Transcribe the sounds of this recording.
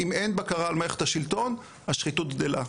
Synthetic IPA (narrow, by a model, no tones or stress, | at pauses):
ime̞nbakaʁalmaeχet̪haʃilt̪o̞n | aʃχit̪ut̪̚ɡd̪ela̰